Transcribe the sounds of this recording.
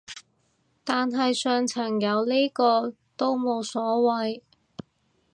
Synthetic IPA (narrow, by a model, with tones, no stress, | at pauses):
t̪aː˨nɦɐ˨jsœː˨˧ŋt͡sʰɐ˨˩ŋjɐ˨˧wliː˥kɔː˧ | t̪o˥wmo˨˧wsɔː˨˥wɐ˨j